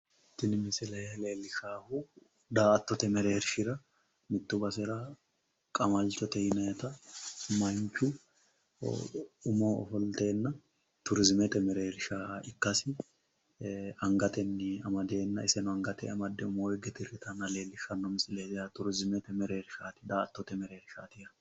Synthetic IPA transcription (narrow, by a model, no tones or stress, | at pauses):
ɪt̪ːɪnɪmɪsɪlɛle̞ːlːɪʃaːhu | d̪aːɐt̪ːɔt̪ɛmɛɾe̞ːɾɪʃɪɾɐ | mɪt̪ːʊbɐsɛɾɐ | kʼɐmɐlt͡ʃɔt̪ɛjɪnɐjɛt̪ɐmɐɲt͡ʃʊ̰ | ʊmoːɔ̰fɔlt̪e̞ːnːɐ | t̪ʊɾɪzmɛt̪ɛmɛɾeːɾɪʃaːɪkːɐsɪ | ɐŋɡɐt̪ɛnːɪɐmɐd̪e̞ːnːɐɪsɛnʊɐŋɡɐt̪ɛ̰ɐmɐd̪ːɛʊmoːɛɡɛt̪ɪrɪt̪ɐnːɐle̞ːlːɪʃɐnːɔmɪsʼɪleːd̪ɛjɐt̪ʊɾɪzmɛt̪ɛmɛɾe̞ːɾɪʃaːt̪ɪ̥d̪aːɐt̪ːɔt̪ɛmɛɾe̞ːɾɪʃa̰ːt̪ɪjɐ